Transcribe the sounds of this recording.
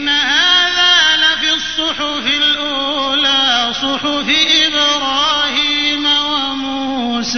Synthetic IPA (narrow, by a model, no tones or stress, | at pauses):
nːahaːðaːlafiɑsˤːʊħʊfɪlʔuːlaːsˤʊħʊfɪʔɪbɾɑːhiːmawamuː | sa